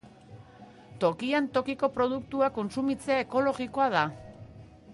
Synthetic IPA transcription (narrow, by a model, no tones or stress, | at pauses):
t̪o̞kiant̪o̞kiko̞pɾo̞ð̞uk̚t̪uako̞nsumit͡se̞aeko̞lo̞ɣiko̞að̞a